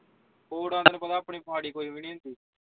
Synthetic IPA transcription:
oːɽãːnd̪nẽːpət̪aːəpɳiːpəɦaːɽiːkoːiːʋɪniːnt̪iː

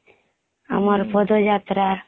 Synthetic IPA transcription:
a̰mɔɾpɔd̪ɔd͡ʒat̪ɾa

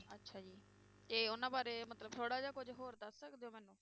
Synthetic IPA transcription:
ətːʃʰaːd͡ʒiː | t̪eːʊnãːbaːɾeːmət̪ləbt̪ʰoːɽaːd͡ʒaːkʊd͡ʒɦoːɾd̪əsːəkd̪eːoːmɛːnũː

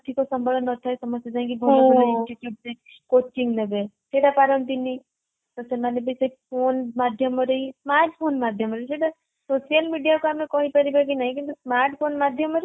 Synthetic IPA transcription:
t̪ʰikosəmbʱələnːɔt̪ʰaesəməstjad͡ʒãĩkibʱɔabʱɔlaĩɳsʈiʈjuʈ̚se | kot͡ʃiŋɡlebesʰeɽapaɾənt̪ini | t̪əsemanebʱisepʰonmad̪ʱjəməɾəɦismaɾʈʰpʰonmad̪ʱjəmɾəiseɽa | sosijəlmiɖijakoamẽkɔɦĩpəɾibaɡinaɦĩkint̪usmaɾʈʰpʰonmad̪ʱjəməɾi

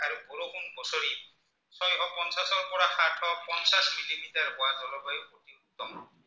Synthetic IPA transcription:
aɹupuɾokʰunbɔsoɹi | sɔjɦɔpɔnsasɔɹpɔɹaxatʰhɔpɔnsasmilimitaɹpʊwazɔlɔɦɔjpotiut̪ɔmɔn

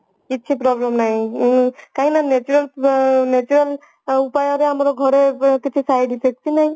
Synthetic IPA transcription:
itːt͡ʃʰipɾɔblemnaɦĩ | kaɦĩnanet͡ʃuɾalnet͡ʃuɾel | upajɔɾeamɔɾɔɡʱɔɾekitʰisajdisʰek̚t͡ʃʰinaj̃

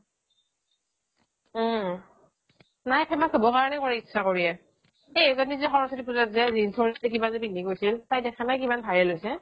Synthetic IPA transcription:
najpʰɛmasobɔkaɹɔnɛkɔɹɛitːsʰakoɹiɛ | ezonizɛxɔɹɔsɔtip̬uzɔtzɛzinsʰonitɛkibazepinikojsiltajdɛkʰanajkimanbʱajɛlojsɛ

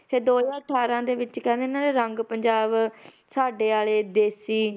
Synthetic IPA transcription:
t̪eːd̪oːjãːəʈʰːaːɾãːd̪eːʋɪt͡ʃkɛ̃ːnd̪eɪnãːleːɾəŋɡpəɲd͡ʒaːb | saːɖeːaːleːd̪eːsiː

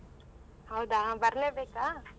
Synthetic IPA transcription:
ɦawd̪ãbɐɾnebeka

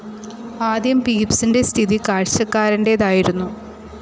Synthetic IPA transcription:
aːd̪jɐmpiːpsinde̞st̪ʰiðikaːɻɕɐkːaːɾɐnde̞ðaːjiɾunːu

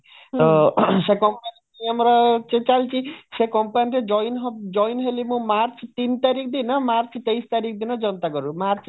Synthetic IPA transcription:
t̪ɔsekɔmpani | amɔɾɔt͡ʃẽt͡ʃalt͡ʃʰisekɔmpaniɾed͡ʒɔjnɦɔbd͡ʒɔjnɦelimũmaɾt͡ʃt̪int̪aɾikʰd̪inɔmaɾt͡ʃʰt̪ejst̪aɾik̚ʰd̪inɔd͡ʒɔnt̪aɡɔɾumaɾt͡ʃʰ

